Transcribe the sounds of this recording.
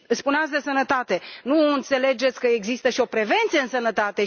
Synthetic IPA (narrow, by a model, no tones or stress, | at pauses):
ɨspuneat̪sʲd̪e̞sənət̪at̪e̞nuɨnt̪se̞le̞d͡ʒe̞t̪sʲkəeɡzist̪əʃio̞pɾe̞ve̞nt̪sijeɨnsənət̪at̪e̞